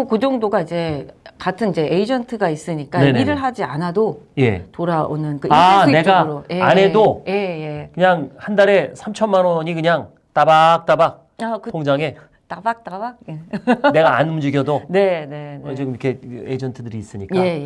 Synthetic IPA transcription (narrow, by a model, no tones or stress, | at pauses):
okod͡ʑʌŋdoɡaid͡ʑe̞katʰɯnid͡ʑe̞ʔeid͡ʑʌntʰɯɡais͈ɯɲik͈aneniɾɯɭɦad͡ʑianadoje̞̰toɾaonɯnkɯane̞ɡaɾojʔe̞ane̞doje̞je̞kɯɲaŋhandaɾe̞sʰamt͡ɕʰʌnmanwʌɲikɯɲaŋ | t͈abak̚t͈abak̚ | akɯtʰoŋd͡ʑaŋe̞ | t͈abak̚t͈abak̚jene̞ɡaːnmɯd͡ʑiɡjʌdone̞ne̞nd͡ʑʌkʰe̞eid͡ʑʌntʰɯdɯɾiːs͈ɯɲik͈ae̞je